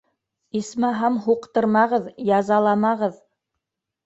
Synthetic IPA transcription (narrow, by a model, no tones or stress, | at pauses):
ismɑɦɑmɦuqt̪ɤ̆ɾmɑʁɤðjɑzɑlˠɑmɑʁɤð